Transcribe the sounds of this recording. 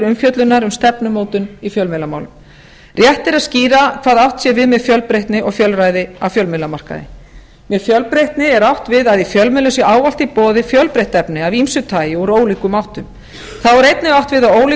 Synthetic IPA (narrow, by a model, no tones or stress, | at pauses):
ɾʏmfjœt̪lʏnaɾʏmst̪ɛpnʏmoːwt̪ʏnifjœlmɪlːamaːwlʏm | rjɛht̪ɛɾaðsciːɾakʰv̥aːðawht̪sjɛvɪðmɛðfjœlpɾejht̪nɪʔɔɣfjœlraːjðɪavfjœlmɪlːamar̥ka̰ðɪ̰ | mɛðfjœlpɾejht̪nɪɛɾawht̪vɪðaðifjœlmɪlʏsjɛaːwval̥t̪ipɔːðɪfjœlpɾejht̪ɛpnɪavimsʏt̪ʰaːjɪɔɾoːwliːkʏmawht̪ʏm | θawɛɾejt̪nɪɣawht̪vɪðaðoːwli